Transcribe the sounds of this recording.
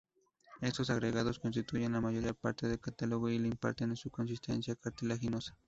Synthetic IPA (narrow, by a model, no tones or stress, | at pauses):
est̪osaɣɾeɣaðoskonst̪it̪ujanlamajoɾiapa̰ɾt̪eðekat̪aloɣoilimpa̰ɾt̪enesukons̬ist̪ḛnsjakaɾt̪elaxinosḁ